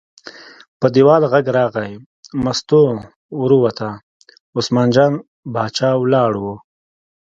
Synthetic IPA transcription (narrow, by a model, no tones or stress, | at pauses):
pəd̪iwɑːlɣaɡɾɑːɣaj | mast̪o | uɾuwat̪ʰa | ʊsmɑːnd͡ʒɑːn | bɑːt͡ʃɑːwlɑːɽwo